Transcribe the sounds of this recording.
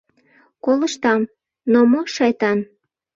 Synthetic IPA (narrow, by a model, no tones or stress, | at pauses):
koləʃt̪ɑm | nomoʃɑjt̪ɑn